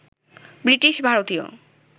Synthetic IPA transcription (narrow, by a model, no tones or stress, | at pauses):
bɾiʈiʃbʱaɾot̪io̰